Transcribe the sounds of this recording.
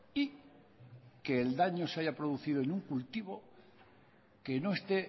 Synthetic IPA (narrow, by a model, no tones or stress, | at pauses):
i | keːld̪aɲo̞saʝapɾoð̞uθið̞oenuŋkult̪iβ̞o̞ | keno̞e̞st̪e